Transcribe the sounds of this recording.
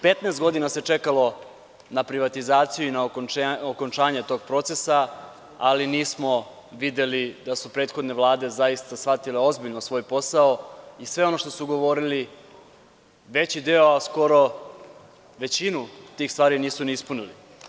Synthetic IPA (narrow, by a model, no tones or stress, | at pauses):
pe̞t̪nest̪ɡo̞d̪inase̞t͡ʃe̞kalo̞ | napɾiʋat̪izaːt̪sijuinaookont͡ʃaːɲe̞t̪o̞ːɡ̚pɾo̞t̪se̞sa | a̰liniːsmo̞ | ʋid̪e̞lid̪asupɾe̞ːt̪xod̪ne̞ʋlˠaːd̪e̞zaist̪asʋat̪ile̞o̞zbiʎnosʋo̞jpo̞saoisʋe̞o̞no̞ʃt̪o̞suɡoʋo̞ɾili | ʋe̞t͡ɕid̪e̞oasko̞ɾo̞ | ʋe̞t͡ɕinut̪iːxst̪ʋaːɾiniːsuniispunilḭ